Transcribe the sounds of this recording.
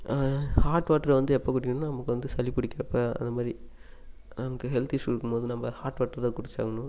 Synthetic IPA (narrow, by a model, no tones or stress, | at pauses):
haːʈʋaːʈːɐɾʋɐnd̪ɯɛpːoːk̬ʊʈɪkːɐnnːnɐmɐkːɯʋɐnd̪ɯsɐlipʊɽɪkːɪɾɐpːɐɐ̰nd̪ɐmaːd̪ɾi | nɐmɐkːɯɦɛlt̪ɪʂɪɾɯkːɯmpoːðɯnɐmːɐhaːɾʈʋaːʈːɐɾt̪ãːkʊɽɪt͡ʃːa̰ːɣɐnʊ̃